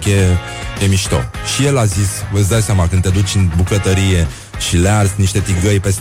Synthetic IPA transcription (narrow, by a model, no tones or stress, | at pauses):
ke | jemiʃt̪o̞̰ | ʃije̞lazisvəsʲd̪ajseamakɨnd̪ed̪ut͡ʃʲɨnbukət̪əɾije̞ | ʃilearzʲniʃt̪e̞t̪iɡɡəjpes